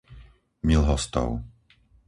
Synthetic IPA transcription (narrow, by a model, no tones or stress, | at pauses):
milɦɔst̪ɔ̰ʊ